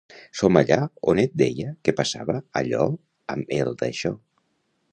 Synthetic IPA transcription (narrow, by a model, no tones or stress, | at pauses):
somaʎaonet̪̚d̪ejəkepasaβəːʎɔ | əmelˠd̪a̰ʃɔ